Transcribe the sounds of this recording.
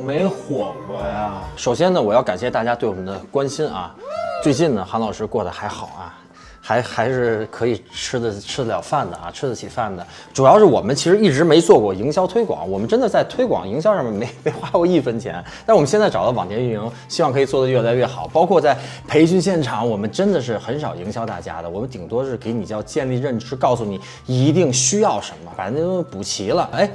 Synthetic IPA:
me˧˥ɪxwɔ˨˩˥ | ʂo˨˩ʊɕjɛ˥nə˨wɔ˨˩jɑ˥˩ʊka˨˩nɕjɛ˥˧t̪a˥˩t͡ɕja˥t̪we˥˩ɪwɔ˨˩mə˦nd̪ə˧kwa˥nɕi˥nʔɐ̰˧t͡swe˥˧ɪt͡ɕi˥˩nd̪ə˩xɑ˧˥nlɑ˨˩ʊʂɻ̩˥˧kwɔ˥˩d̪ə˩xa˧˥ɪxɑ˨˩ʊɐ̰˦ | xa˧˥ɪxa˧˥ɪʂɻ̩˥˩kʰɤ˧˥i˨˩ʈ͡ʂʰɻ̩˥d̪ə˨ʈ͡ʂʰɻ̩˥˨˧ljɑ̰˨˩ʊfa˥˩nd̪ə˩ɐ̰˩ʈ͡ʂʰɻ̩˥d̪ə˨˩t͡ɕʰi˨˩fa˥˩nd̪ə˩ | ʈ͡ʂu˨˩jɑ˥˧ʊʂɻ̩˥˩wɔ˨˩mə˦nt͡ɕʰi˧˥ʂɻ̩˧˥i˥˩ʈ͡ʂɻ̩˧˥me˧˥ɪt͡swɔ˥˧kwɔ˥˩i˧˥ŋɕjɑ˥ʊt̪ʰwe˥ɪkwɑ̰˨˩˦ŋwɔ˨˩mə˦nʈ͡ʂə˥nd̪ə˨t͡sa˥˩ɪt̪ʰwe˥ɪkwɑ̰˨˩˦ŋi˧˥ŋɕ̬jɑ˥ʊʂɑ˥˩mɛ˨˩nme˧˥ɪme˧˥ɪxwa˥kwɔ˥i˥˩fə˥nt͡ɕʰjɛ̰˧˥nt̪a˥˧ɻ̩˥wɔ˨˩m˦˥ɕjt͡sa˥˩ɑ˨˩ʊə˧˥˩wɑ˨˩ŋt̪ʰjɛ˧˥ny˥˩ni˧˥ŋ | ɕi˥wɑ˥˩ŋkʰɤ˧˥i˨˩t͡swɔ˥˩d̪ə˩ɥɛ˥˩la˧˥ɪɥɛ˥˩xɑ˨˩ʊpɑ˥ʊkʰwɔ˥˧t͡sa˥˩ɪpʰe˧˥ɪt͡ɕy˥˧nɕ̬jɛ˥˩nʈ͡ʂʰɑ˨˩˦ŋwɔ˨˩mə˦nʈ͡ʂə˥nd̪ə˨ʂ̬ɻ̩˥˩xə˧˥nʂɑ˨˩ʊi˧˥ŋɕjɑ˥ʊt̪a̰˥˩t͡ɕja̰˥d̪ə˨wɔ˨˩mə˦nt̪i˨˩ŋt̪wɔ˥ʂɻ̩˥˩ke˧˥ɪni˨˩t͡ɕjɑ˥˧ʊt͡ɕjɛ˥˧nli˥˧ɻə˥˩nʈ͡ʂɻ̩˥kɑ˥˧ʊsu˥˩ni˨˩˦ | i˧˥t̪i˥˩ŋɕy˥jɑ˥˩ʊʂə˧˥nmə˨˩pa˨˩˧n˥pu˨˩t͡ɕʰi˧˥lə˧e˥˩ɪ

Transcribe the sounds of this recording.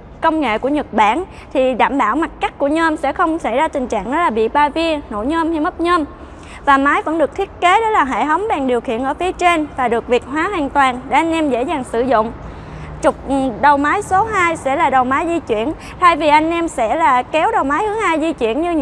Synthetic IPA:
kə˧wŋ͡mŋḛ˧˨ku˧˩əɲə˨˩t̚ɓa̰ː˧˩n | t̪ʰi˨˩ɗa̰ː˧˨mɓaː˧˩wma˨˩t̚ka˦˥jk̟̚ku˧˩əɲəː˧msɛ̰˧˥xə˧wŋ͡msa˧˩jzaː˧t̪ï˨˩ŋ̟t͡ɕa̰ː˧˨ŋnɔ˨˦laː˨˩ɓḭ˧˨ɓaː˧vi˧əno̰˧˥jɲəː˧mha˧jmə˦˥t̚ɲəː˧m | vaː˨˩maː˨˦jvə̰˧˥nɗɨ˨˩k̚t̪ʰi˦˥ət̚ke˨˦ɗɔ˨˦laː˨˩ɦḛ˧˨jɦə˨˦wŋ͡mɓaː˨˩ŋɗi˨˩əwxḭ˧˨ənʔəː˧˩fi˨˦ət͡ɕe˧nvaː˨˩ɗɨ˨˩ək̚vi˨˩ək̚ɦwaː˨˦hwaː˨˩ŋt̪waː˨˩nɗḛ˧˩ʔa˧jŋ̟ʔɛ˧mzḛ˧˥zaː˨˩ŋsɨ̰˧˩zʊ̰˧˨ŋ͡m | t͡ɕʊ˨˩k͡p̚ɗə˨˩wmaː˨˦jso˨˦ɦaː˧jsɛ̰˧˥laː˨˩ɗə˨˩wmaː˨˦jzi˧t͡ɕwḭ˧˨ən | t̪ʰaː˧jvi˨˩ʔa˧jŋ̟ʔɛ˧msɛ̰˧˥laː˨˩kɛ˨˦wɗə˨˩wmaː˨˦jhɨ˨˦əhaː˧jzi˧t͡ɕwi˧˨ənɲɨ˧

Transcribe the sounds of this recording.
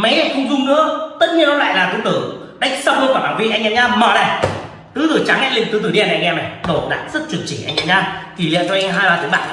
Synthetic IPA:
ma˨˦jxə˧wŋ͡mzʊ˧ŋ͡mnɨ̰˧˥ət̪ə˦˥t̚ɲi˧ənːɔ˨˦la̰ː˧˨jlaː˨˩t̪ɨ˨˦t̪ɨ˧˩ | ɗa˦˥jk̟̚sa˧wŋ͡mhə˧kaː˧˩ɓaː˧˩nvḭ˧˨ʔa˧ŋʔɛ˧mzaː˧mɔ˨˩ɗa˨˧˩ | t̪ɨ˨˦t̪ɨ˨˧˩t͡ɕa˨˦ŋɛ̰˧˥lḭ˧˨ŋt̪ɨ˨˧˦t̪ɨ˧˩ɗi˧a˨˧˩nʔa˧jŋ̟ʔɛ˧ma˨˩ɗo˧˩t̚ɗa̰ː˧˨t̚z̥ə˦˥t̚t͡ɕwə˧˩ənt͡ɕi˧˩ʔa˧jŋʔɛ˧zaː˧˩ki˧˩lḭ˧˨ət͡ɕɔ˧ɦaː˧laː˨˩t̪i˨˦ɓa̰ː˧˨n

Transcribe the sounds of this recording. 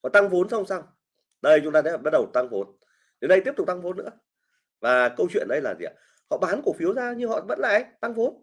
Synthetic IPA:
kɔ˨˧˨t̪a˧ŋvo˨˦nsə˧wŋ͡msaː˧w | ɗə˧jt͡ɕʊ˨˦ŋ͡mt̪aː˧t̪ʰɛ˨˦˧ɓa˦˥t̚ɗə˨˩wt̪a˧ŋvo˨˦n | ɗe˨nɗə˧jt̪i˦˥əpt̪ʊ˨˩k͡p̚t̪a˧ŋvo˨˦nːɨ̰˧˥ə | vaː˨˩kə˧wt͡ɕwḭ˧˨ənɗə˨˧˦jlaː˨˩zḭ˨˩ə˨˩ | hɔ̰˧˨ɓaː˨˦nku˧˩fi˨˦əwzaː˧ɲɨ˧ɦɔ̰˧˨və̰˧˥nlaː˧˨ʔə˨˦jt̪a˧ŋfo˨˦n

